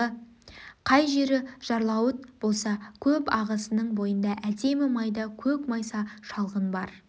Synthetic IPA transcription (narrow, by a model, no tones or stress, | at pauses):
ə | qʰɑjʒe̞ɾɪʒ̥ɑɾlˠɑwət̪̚b̥o̞lˠsɑkʲʰɵpɑʁəsənəɴbo̞jənd̪ɑʔæd̪e̞mɪmɑjd̪ɑkʲʰɵkmɑjsɑʃɑlˠʁənbɑɾ